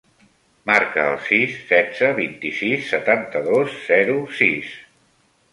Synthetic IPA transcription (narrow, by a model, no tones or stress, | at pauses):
maɾkəːlˠsisːɛdd͡zəβint̪isisːət̪ant̪əðosz̥ɛɾusis